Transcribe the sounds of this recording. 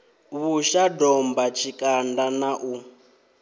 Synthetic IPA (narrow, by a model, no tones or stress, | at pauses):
βuʃadɔmbat͡ʃʰikʼandanaʔu